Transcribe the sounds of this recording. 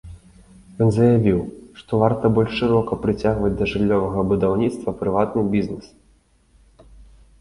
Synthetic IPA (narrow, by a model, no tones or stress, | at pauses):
jɔnzɐjavʲiwʂt̪ɔvart̪ɐbɔlʲʂʂɨɾɔkɐpɾɨt͡sʲaɣvɐd͡zʲd̪ɐʐɨlʲːɔvɐɣɐbud̪awnʲit̪st̪vɐpɾɨvat̪nɨbʲiznɨs